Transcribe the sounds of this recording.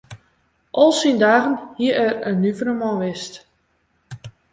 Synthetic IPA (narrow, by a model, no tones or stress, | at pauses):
ʔɔlˠsindaːɣənhiəɛrənːyvəɾəmɔ̃ʋɪst